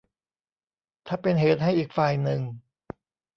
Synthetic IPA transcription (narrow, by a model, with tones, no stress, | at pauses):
t̪ʰaː˥˩pe˧nɦeː˨˦t̪̚ɦa˥˩jʔiː˨˩k̚faː˨˩jnɯ˨˧ŋ